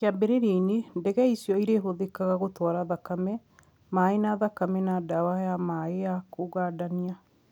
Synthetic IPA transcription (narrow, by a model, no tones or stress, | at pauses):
abeɾeɾeinendɛɣɛisjɔiɾeɦoðekaɣaɣotwaɾaðakamɛ | maːenaðakamɛnadawajamaejakoɣadania